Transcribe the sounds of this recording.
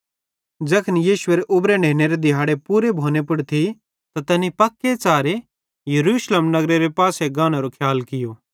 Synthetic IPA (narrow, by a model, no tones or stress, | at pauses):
d͡ʒɐkʰənijiːʃʊeɾeʔʊbɾeɖʱeːneɾed̪ɪɦaːɽepuːɾebʱoːnepʊɽt̪ʰi | t̪at̪ɐnipɐkːet͡saːɾe | jɐɾuːʃlemnɐɡɾeɾepaːseɡaːñaɾokʰjaːlkɪjoː